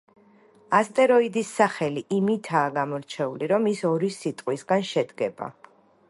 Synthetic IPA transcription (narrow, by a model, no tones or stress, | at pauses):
ast̪ʼɛɾɔid̪isːaχɛliʔimit̪ʰaːɡamɔɾt͡ʃʰɛuliɾɔmisɔɾisit̪ʼqʼwisɡanʃɛd̪ɡɛba̰